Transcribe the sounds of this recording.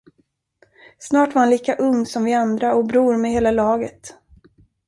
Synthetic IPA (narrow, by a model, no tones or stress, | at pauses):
snɑːʈvaɾhanliːkaʔɵŋːsɔmvɪand̪ɾaɔk̚bɾuːɾmɛɦeːlalɑːɡət̪